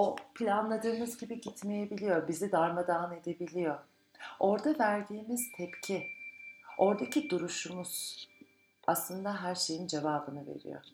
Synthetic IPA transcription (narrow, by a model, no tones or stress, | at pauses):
opʰilʲanlˠad̪ɯːmɯzɟibiɟit̪me̞jebilʲijo̞ɾbizid̪aɾmad̪aːne̞d̪e̞bilʲijo̞ | o̞ɾd̪avæɾd̪iːmiz̥t̪ʰɛpcʰi | o̞ɾd̪acid̪uɾuʃumuz̥ | aslˠɯnd̪aɦæɾʃe̞jind͡ʒe̞vaːbɯnɯve̞̰ɾḭjo̰